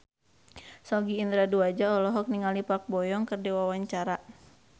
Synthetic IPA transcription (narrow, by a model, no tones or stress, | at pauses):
sɔɡiːnd̪ɾaduad͡ʒaɔlɔɦɔk̚niŋalipak̚bɔjɔŋkɨrdɛwawaɲt͡ʃaɾa